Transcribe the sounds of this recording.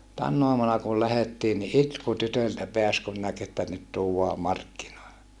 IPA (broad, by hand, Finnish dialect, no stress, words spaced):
tænː oɑmunɑ kul læhetːiː ni itku tytøltæ peæs kun næk etːæ nyt tuːwɑː mɑrkːinoilːe